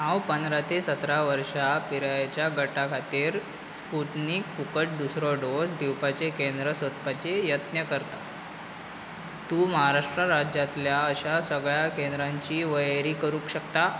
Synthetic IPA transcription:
ɦãwpənd̪ɾat̪esət̪ɾaʋəɾʂapiɾajt͡ɕjaɡəʈakʰat̪iːɾ | spuʈnikfukəʈ̚d̪usɾɔɖosd̪iwpat͡ɕekend̪ɾəsət̪pat͡ɕejət̪njəkəɾt̪a | t̪uːməɦaɾaʂʈɾaɾad͡ʑat̪ljaəɕasəɡɭjakend̪ɾaɲt͡ɕiːʋəjɾiːkəɾũːkɕəkt̪a

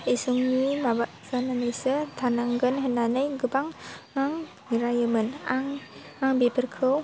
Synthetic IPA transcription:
isuŋnimabaʔsananəjsət̪ʰanaŋɡənɦənanəjɡəbaŋmaŋ | iɾajəmənaŋ | aŋbepʰərkʰəw

